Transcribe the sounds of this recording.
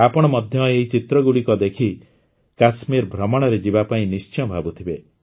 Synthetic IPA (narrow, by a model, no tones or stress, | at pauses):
apɔɽ̃ɔmɔd̪ʱjɔeɦit͡ʃit̪ɾɔɡuɽikɔd̪ekʰi | kasmiɾbʱɾɔmɔɽ̃ɔɾed͡ʒibapaĩnist͡ʃɔ̃bʱabut̪ʰibe